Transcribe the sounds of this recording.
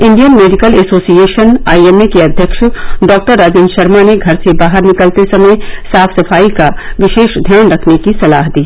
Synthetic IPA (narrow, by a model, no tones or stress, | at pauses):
ɪ̃ɳɖijənmeːɖɪkəlɛːsoːsijeːʃəna̰ːiemekeɐd̪ʱjəkʃɖɔːk̚ʈəɾːaːd͡ʒɪ̃nʃɐɾmaneɡʱɐɾsebaːɦəɾnɪkəlt̪esɐməjsaːfʰsɐfaːikaʋɪʃeːʃd̪ʱjaːnɾɐkʰnekisɐla̰ːɦd̪iː